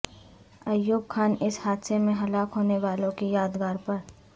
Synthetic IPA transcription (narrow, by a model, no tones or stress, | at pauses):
ɐjːuːbkʰaːnɪshaːd̪semẽɦɐlaːkɦoːneʋaːlõkejaːd̪ɡaːɾpɐɾ